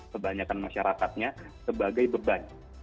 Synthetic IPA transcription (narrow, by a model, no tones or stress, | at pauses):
əbaɲakanmaʃaɾakat̪̚ɲasəbaɡajbəban